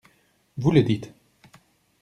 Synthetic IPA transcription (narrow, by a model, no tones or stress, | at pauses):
vuləd̪it̪